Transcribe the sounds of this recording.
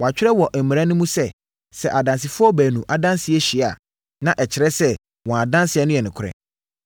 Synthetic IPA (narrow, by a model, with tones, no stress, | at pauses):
wɔ˨a˨t͡ɕᶣɪ˦ɾɛ˦wɔ˨ʔæ˨mĩ˨a˦nʊ̃˦mũ˦sɛ˦˨ | sɛ˨ʔa˨dã˨ns̬ɪ˨fʊ˦ɔ˦bæː˨nũ˨ʔa˨dã˦nsɪ˨ɛ˦ɕi˨a̰˨ | nã˦ʔɛ˨t͡ɕʰɪ˨ɾɛ˦sɛ˦ | wɔ̃˨a˨dã˦nsɪ˨ɛ˦nʊ̃˦jɛ˨nʊ̃˨kʰʊ˨ɾɛ̰̃˨